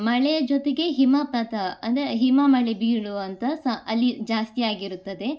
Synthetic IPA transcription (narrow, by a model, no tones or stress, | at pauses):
mɐɭejɐd͡ʒot̪eɡe̞ɦimapɐt̪ɐɐ̰nd̪ɐɾeɦimɐmɐɭebiːɭuɐnt̪ɐsɐɐlːid͡ʒaːst̪ijaːɡiɾut̪ːɐd̪e̞